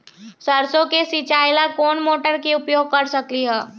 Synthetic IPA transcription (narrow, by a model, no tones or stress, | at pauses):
səɾsõkesit͡ʃaːɪlakoːnmoːʈəɾkeʊpjoːɡ̚kɐɾsɐkliɦɛː